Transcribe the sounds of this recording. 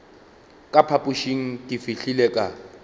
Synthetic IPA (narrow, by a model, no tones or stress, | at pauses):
kʼapʰapʼuʃiŋ̩tʼifiɬilɛkʼa